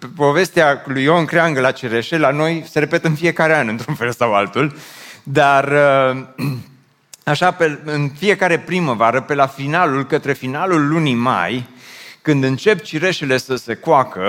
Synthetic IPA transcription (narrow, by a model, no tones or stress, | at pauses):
po̞ve̞st̪ealujo̞ŋkɾeaŋɡəlat͡ʃiɾe̞ʃe̞lano̞jse̞ɾe̞pe̞t̪ɨnfie̞kaɾe̞anɨnt̪ɾunfe̞lsawalt̪uld̪arə | aʃapeɨnfie̞kaɾe̞pɾiməvaɾəpe̞lafinalulkət̪ɾe̞finalulːunima̰jkɨnd̪ɨnt͡ʃe̞pt͡ʃiɾe̞ʃele̞səse̞koakə